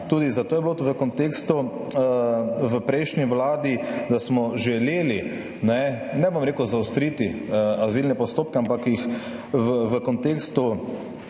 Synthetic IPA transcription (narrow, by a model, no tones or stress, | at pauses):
t̪uːd̪izat̪oːjɛbilotʋəkɔnt̪eːkst̪u | ʋəpɾɛɪʃniʋlaːd̪id̪asmɔʒɛleːli | nɛnɛbomɾeːkuzaʊst̪ɾit̪iazilnɛpɔst̪oːp̚kɛampakjix | ʋəʋəkɔnt̪eːkst̪u